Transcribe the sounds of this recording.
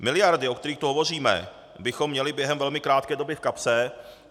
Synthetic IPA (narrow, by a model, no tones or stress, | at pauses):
mɪlɪjaɾdɪokt̪ɛɾiːxkt̪oɦovo̞r̝iːmɛ̰ | bɪxomːɲɛlɪbjɛɦɛmvɛlmɪkɾaːt̪̚kɛːdo̞bɪfkapsɛ